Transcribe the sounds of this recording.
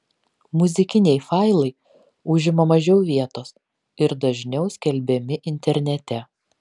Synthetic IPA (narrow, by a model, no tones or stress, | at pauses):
mʊzʲɪkʲɪnʲɛɪfɑˑɪlˠɐɪ | ʊʒʲɪmɐmɐʒʲɛʊʋʲiɛt̪oːs | ɪɾd̪ɐʒʲnʲɛʊsʲkʲɛlʲbʲɛmʲɪʔɪnʲt̪ʲɛɾʲnʲɛt̪ʲɛ